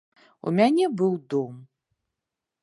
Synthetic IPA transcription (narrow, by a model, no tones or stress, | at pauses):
ṵmʲanʲɛbɨwd̪ɔm